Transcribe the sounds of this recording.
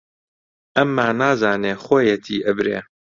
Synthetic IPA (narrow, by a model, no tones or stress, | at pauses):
ʔɐmːaːnaːzaːneːxoːjɛt̪ʰiːʔɐbɾḛː